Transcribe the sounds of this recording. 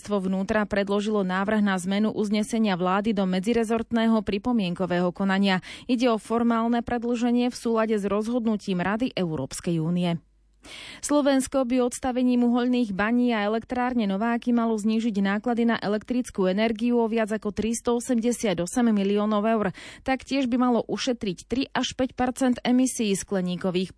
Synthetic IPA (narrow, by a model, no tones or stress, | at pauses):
st̪ʋɔʋnuːt̪ɾapɾɛd̪lɔʒilɔnaːʋr̩ɣnazmɛnuʔuzɲɛsɛɲɪaʋlaːd̪id̪ɔmɛd͡ziɾɛzɔɾt̪nɛːɦɔpɾipɔmɪɛŋkɔʋɛːɦɔkɔnaɲɪaiɟɛɔfɔɾmaːlnɛpɾɛd̪l̩ʒɛɲɪɛfsuːlaɟɛzɾɔzɦɔd̪nuciːmɾad̪iʔɛʊɾɔ̰ːpskɛjuːniɛ | slɔʋɛnskɔbiɔt̪st̪aʋɛɲiːmuɦɔʎniːɣbaɲiːaɛlɛkt̪ɾaːɾɲɛnɔʋaːkimalɔzɲiːʒiɟnaːklad̪inaʔɛlɛk̚t̪ɾit͡skuɛnɛɾɡiuɔʋɪad͡zakɔt̪ɾist̪ɔɔsɛmɟɛsɪad̪ɔsɛmːiliɔːnɔʊɛʊɾt̪akcɪɛʒbimalɔʔuʃɛt̪ɾict̪ɾiʔaʃpɛcpɛɾt͡sɛnt̪ɛmisiːsklɛɲiːkɔʋiːx